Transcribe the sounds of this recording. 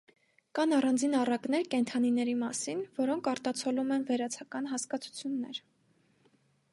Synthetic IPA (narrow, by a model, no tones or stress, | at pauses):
kɑnɑrɑnd͡zinɑrɑkn̪ɛɾkɛnt̪ʰɑninɛɾimɑsinvɔɾɔŋkʰɑɾt̪ɑt͡sʰɔlumɛnvɛɾɑt͡sʰɑkɑnɦɑskɑt͡sʰu̥t͡sʰjunːɛ̰ɾ